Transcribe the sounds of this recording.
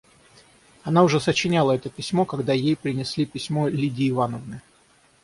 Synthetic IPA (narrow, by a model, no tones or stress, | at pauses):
ɐnaʊʐɛsət͡ɕɪnʲalˠəɛt̪əpʲɪsʲmo̞kɐɡd̪ajejpɾʲɪnʲɪsʲlʲipʲɪsʲmo̞lʲidʲɪːvanəvnɨ